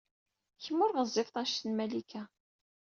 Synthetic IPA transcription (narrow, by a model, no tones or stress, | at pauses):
çəmːʊɾʁəzˤːɪfθˤæʃt̪ənmælikʰæ